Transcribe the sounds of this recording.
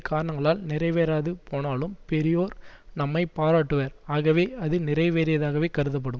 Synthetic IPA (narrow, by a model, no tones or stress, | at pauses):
kaːɾɐɳɐŋɡɐɭaːlnɪɾɐɪʋeːɾaːðɯpoːnaːlɯmpɛɾɪjoːɾnɐmːɐɪpaːɾaːʈːɯʋɐɾaːɣɐʋeːɐðɯnɪrɐɪʋeːɾɪjɐðaːɣɐʋeːkɐɾɯðɐp̬ːɐɽɯm